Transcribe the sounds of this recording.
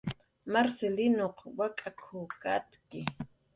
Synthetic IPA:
maɾselɪnoqwakʼakʰoːkat̪kɪ

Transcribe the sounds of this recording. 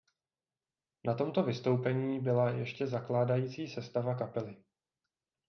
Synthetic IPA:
nat̪o̞mt̪o̞vɪst̪o̞wpɛɲiːbɪlajɛ̰ʃcɛzaklaːdajiːt͡siːsɛst̪avakapɛlɪ

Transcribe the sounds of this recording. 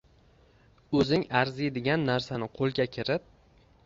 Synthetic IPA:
ɵzɪŋaɾzijd̪ɪɡʲanːaɾsanɪqʰolˠɡʲakʲʰɪɾɪp̚

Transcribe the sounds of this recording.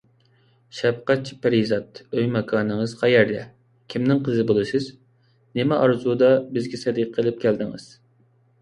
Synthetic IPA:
ʃɛp̚qɛt̪̚t͡ʃʰi̥pʰeɾizɑt̪øjmɑkʰɑːnɨŋɨz̥qʰɑjɛɾd̪ɛ̰ | kʲʰimnɪŋqʰəzɨbolˠɨsɨz | nemɛʔɑɾzud̪ɑbɪzɡʲɛsɛd̪ɨqʰːəlˠɪp̚kʲʰæld̪ɪŋɨ̰z̥

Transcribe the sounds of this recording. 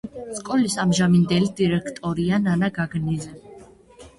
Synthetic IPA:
skʼɔlisamʒamind̪ɛlid̪̥iɾɛkʰt̪ʼɔɾiananaɡaɡnizɛ

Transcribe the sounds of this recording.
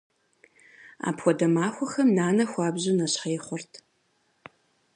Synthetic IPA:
a̰ːpxʷɔdɐmaːxʷɔxɐmnaːnɐxʷɑːbʑɨnɐɕħɐjɪχʷɔrtʰ

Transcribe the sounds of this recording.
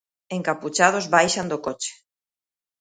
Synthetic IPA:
ẽŋkaput͡ʃað̞ozβajʃand̪okot͡ʃe̥

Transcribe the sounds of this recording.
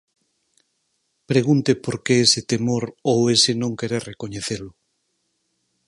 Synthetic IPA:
pɾeɣunt̪epoɾkeeset̪emoɾowesenõŋkeɾerekoɲeθelʊ

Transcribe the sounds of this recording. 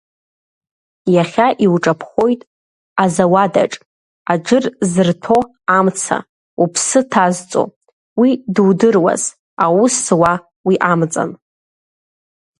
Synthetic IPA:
jaχʲaʔiwʈ͡ʂʼapʰχo̞jtʼ | azawada̰ʈ͡ʂʼ | ad͡ʒʷɨrzɨrtʰo̞ | amt͡sʰa̰ | upʰsɨtʰazt͡sʼo̰ | widɨwdɨrwa̰z | awuswa | wiʔamt͡sʼa̰n

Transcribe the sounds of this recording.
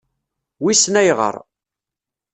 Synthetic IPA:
wisnæjʁə̰ɾˤ

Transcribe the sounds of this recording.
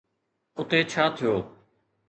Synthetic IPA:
ʊt̪eːt͡ʃʰaːt̪ʰɪjoː

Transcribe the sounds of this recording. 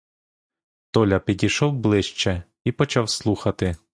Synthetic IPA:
t̪ɔlʲɐpʲid̪ʲiʃɔwblˠɪʃt͡ʃɛ | ipɔt͡ʃawslˠuxɐt̪ɪ

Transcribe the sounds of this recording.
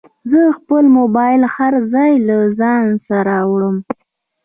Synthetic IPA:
zəxpəlmobɑjɪlhaɾzɑjlazɑnsaɾaːwɽəm

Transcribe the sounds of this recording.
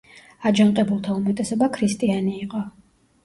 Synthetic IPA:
ad͡ʒant̪ʼɛbulˠt̪ʰaumɛt̪ʼɛsɔbakʰɾist̪ʼianiːqʼɔ

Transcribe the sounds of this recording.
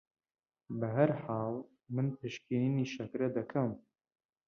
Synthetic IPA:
bɐɦɐɾħaːlˠ | mɨnpʰeʃkʰininiʃɐkɾɐd̪ɐkʰɐm

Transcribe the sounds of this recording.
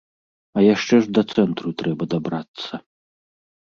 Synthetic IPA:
ɐjaʂt͡ʂɛʐd̪ɐt̪sɛnt̪ɾut̪ɾɛbɐd̪abɾat̪sːɐ

